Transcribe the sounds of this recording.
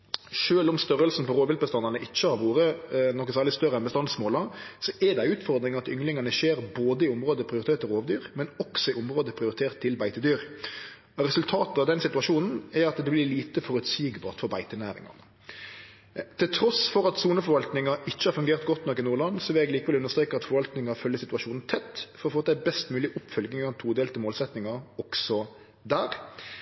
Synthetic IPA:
ʃøːlɔmst̪œʁəlsn̩pɔɾoːʋɪlt̪̚bəst̪ɑnɑnəʔɪt͡ʃːəhɑɾʋuːɾənɔkːəsæːʁɭɪst̪œɾəɛnbəst̪ɑnsmoːlɑsɔʔɛd̪æɪʉːt̪fɔɾd̪ɾɪŋɑt̪ʏ̰ŋlɪŋɑnəʃeːɾboːd̪əɪʊmʁoːd̪əpʰɾɪʊɾɪt̪ʰeːɾt̪ʰːɔɾoːʋd̪yːɾmɛnɔksɔɪʊmʁoːd̪əpʰɾɪʊɾɪt̪ʰeːʁt̪ʰːɪlbæɪt̪əd̪yːɾ | ɔɾɛsʉlt̪ʰɑːt̪əɑʋd̪ɛnsɪt̪ʉɑʂuːnn̩ɛɑt̪d̪ɛblɪliːt̪əfɔɾʉt̪siːɡbɑːt̪fɔɾbæɪt̪ənæːɾɪ̰ŋɑ̰nə | t̪ʰɪlt̪ʰɾɔsfɔɾɑt̪suːnəfɔɾʋɑlt̪nɪŋɑɪçːəhɑːɾfʉŋɡeːʁt̪ɡɔt̪nɔkːɪnuːɾlɭɑnsɔʋɪlɛɡliːkəʋɛlʉnəʁst̪ɾeːkəɑt̪fɔɾʋɑlt̪nɪŋɑfœljəsɪt̪ʉɑʃuːnn̩t̪ʰɛt̪ːfɔɾɔfoːæɪbɛst̪mʉːlɪʔʊpfœlɡnɪŋɑnt̪ʰuːd̪eːlt̪əmoːlsɛt̪nɪŋɑɔksɔ | d̪æːɾ

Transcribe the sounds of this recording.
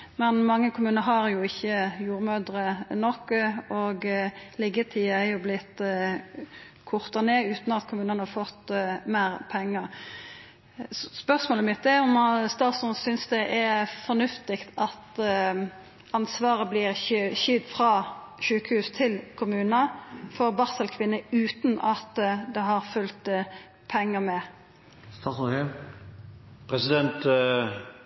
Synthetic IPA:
mɛnmɑŋːəkʰʊmʉːnəɾɦɑɾjʊɪçːəjuːɾmøːd̪ɾənɔkːɔɡlɪɡət̪ʰiːɛjʊblɪt̪ː | kʰʊʁt̪ɑneːʉːt̪nɑt̪kʰʊmʉːnənəhɑʁfɔt̪ːmæːɾpʰɛŋːə | spœʁsmoːləmɪt̪̚d̪ɛɔmst̪ɑːt̪sʊnsʏnsd̪ɛʔɛfɔnʉft̪ɪkt̪ɑt̪ | ɑnsʋɑːʁəblɪːʁçʏd̪fʁɑː | ʃʉːkəhʉːst̪ʰɪlkʰʊmʉːnəfɔʁbɑʁsəlkʰʋɪnːəʉːt̪nɑt̪d̪ɛɦɑʁfʉlt̪ | pʰɛŋːəmɛ | st̪ɑs | pʰɾɛsɪd̪ɛnt̪

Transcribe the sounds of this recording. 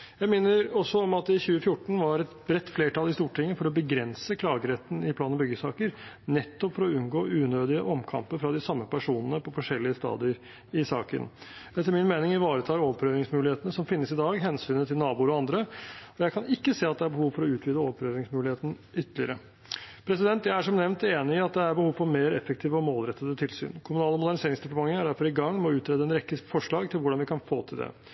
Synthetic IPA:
jæɪmɪnːəɾɔsːɔɔmɑt̪ɪçʉːəfjʊʈːɳ̩ʋɑɾɛt̪bɾɛt̪ːfleːʈɑlˠɪst̪uːʈʰɪŋːəfɔɾɔbəɡɾɛnsəkʰlɑːɡəɾɛt̪ːn̩ɪplɑːnɔbʏɡəsɑːkəɾ | nɛt̪ːɔpfɔɾɔʉnɡoːʔʉːnøːd̪ɪəʔɔmkʰɑ̰mpəɾfɾɑd̪ɪsɑmːəpʰæʂuːnənəpʰɔfɔʂɛlːɪəst̪ɑ̰ːd̪ɪəɾ | ɪsɑ̰ːkə̰nd̪ɛt̪ːæɾmɪnmeːnɪŋæʋɑːɾət̪ʰɑːɾopʰɾøːɾɪŋsmʉːlɪheːt̪ənəsɔmfɪnːəsɪd̪ɑːɡɦɛnsyːnət̪ʰɪlnɑːbuːɾɔɑnd̪ɾəɔjæɪkʰɑnɪkːəseːɑt̪d̪ɛæɾbəhuːʋfɔɾɔʉːt̪ʰʋiːd̪əoːpʰɾøːɾɪŋsmʉːlɪheːt̪ən | ʏt̪ːəlɪəɾə | pʰɾɛsɪd̪ɛnt̪jæɪæʂɔmnɛʋnt̪eːnɪɪɑt̪̚d̪ɛæɾbəhuːʋfɔɾmeːɾɛfːəkt̪ʰiːʋəɔmoːlɾɛt̪ːəd̪ət̪ʰɪlsy̰ːnkʰʊmʉnɑːləmʊd̪æɳɪseːɾɪŋsd̪ʊp̪ːəmɑŋːəæɖæɾfɔɾɪɡɑŋːmɛɔʉːt̪ʰɾeːd̪əɛnɾɛkːəfɔʂɭɑːɡt̪ʰɪlʋʊɖɑnʋɪkʰɑnfo̰ːt̪ʰɪld̪ɛ̰

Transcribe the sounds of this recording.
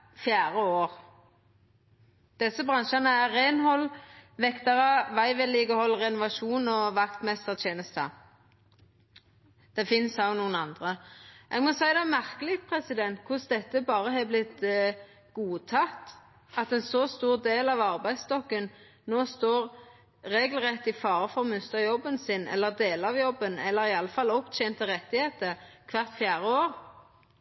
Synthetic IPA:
fjæːʁəoːʁ | d̪̥ɛsːəbʁɑnʃɑnəæʁeːnɦɔlːʋɛkt̪ɑʁəʋæɪʋɛlɪːɡəhɔlːʁɛnʊʋɑʂuːnɔʋɑkt̪mɛst̪əʁt̪ʰjeːnəst̪ʰə̰ | d̪̥ɛfɪnsɑʊnuːənɑnd̪ʁəʔɛɡmɔsæɪd̪ɛmæʁkəlɪpʰʁɛsɪd̪ɛnt̪kʰʊsd̪ɛt̪ːəbɑːʁəɦɛblɪt̪ | ɡ̥uːt̪ʰɑt̪ | ɑt̪ɛnsɔst̪uːʁd̪eːlɑʋɑʁbæɪst̪ɔkːən | noːst̪oːʁ | ʁeːɡlʁɛt̪ːɪfɑːʁəfɔʁɔmʉst̪əjɔbːənsɪnɛ̰lːəʁd̪eːləɑʋjɔbənɛ̰lːəʁɪɑlːəfɑlːɔpt͡ʃʰɛːnt̪əʁɛt̪ːɪheːt̪əkʰʋɑʁt̪fjæːʁəoːʁ

